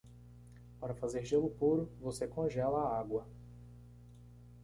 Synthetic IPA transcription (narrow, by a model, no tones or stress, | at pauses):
paɾɐfazeɾʒelʊpuɾʊvosekõʒɛlɐːaɡwɐ